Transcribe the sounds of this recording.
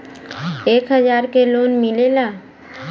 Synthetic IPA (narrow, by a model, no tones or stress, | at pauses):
eːkɦəzaːɾkeloːnmɪlelaː